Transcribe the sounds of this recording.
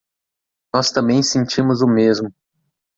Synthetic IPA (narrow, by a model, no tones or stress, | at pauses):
nɔst̪ɐ̃bẽj̃sẽnt͡ʃĩmʊzʊmezmʊ